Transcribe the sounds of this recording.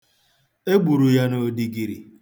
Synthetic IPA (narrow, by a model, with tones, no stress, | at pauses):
e˦ɡ͡bu˨ɾu˨ja˦no˨di˨ɡi˨ɾḭ˨